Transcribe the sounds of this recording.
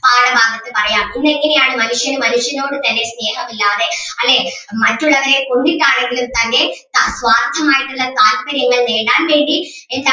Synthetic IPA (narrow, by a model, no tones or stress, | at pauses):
paːɽɐbʱaːɣɐt̪ːɨpɐrɐjaːmɪnːɐŋɡɐnejaːɳɐmɐnɯʂjɐnɨmɐnɯʂjɐnoːɽɯt̪ɐnːesneːɣɐmilːaːðeɐlːeː | mɐʈːɯɭːɐʋɐɾeːkɔɳɖikːaːɳeŋɡɪlɯmt̪ɐnːeːtasʋaːrt̪ʰːɐmaːjiʈːuɭːɐkaːlkɐɾjɐŋːɐɭneːɳɖaːnʋeːɳɖi | ɛnd̪